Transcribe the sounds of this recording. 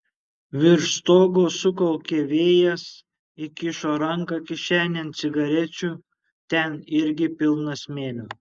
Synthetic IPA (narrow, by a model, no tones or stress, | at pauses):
ʋʲɪɾʃt̪oːɡoːsʊkɔlˠkʲeːʋʲeːjɛs | ɪkʲɪʃoːɾɐŋkɑkʲɪʃʲæːnʲɛnt̪sʲɪɡɐɾʲɛt͡ʃʲu | t̪ʲɛnɪɾʲɡʲɪpʲɪlˠnɐsmʲeːlʲoː